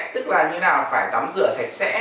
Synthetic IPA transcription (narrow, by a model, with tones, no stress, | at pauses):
t̪ɨ˦˥k̚laː˨˩ɲɨ̰˧naː˨˩wfaː˧˩jt̪a˨˦mzɨ̰˧˨əsa˨˦˩jk̟̚sɛ̰˧˥